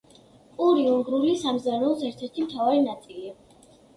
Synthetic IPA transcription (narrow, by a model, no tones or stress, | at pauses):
pʼuɾiuŋɡɾulisamzaɾɛlˠsɛɾt̪ʰɛɾt̪ʰimt̪ʰavaɾinat̪sʼili